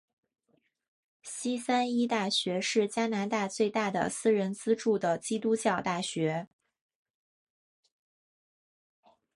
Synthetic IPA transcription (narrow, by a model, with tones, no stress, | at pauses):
ɕi˥sa˥ni˥t̪a˥˩ɕɥɛ˧˥ʂɻ̩˥˩t͡ɕja˥na˧˥nt̪a˥˧t͡swe˥˧ɪt̪a˥˩d̪ə̰˩sɹ̩˥ɻə˧˥nt͡sɹ̩˥ʈ͡ʂu˥˩d̪ə˩t͡ɕi˥t̪u˥t͡ɕjɑ˥˧ʊt̪a˥˩ɕɥɛ˧˥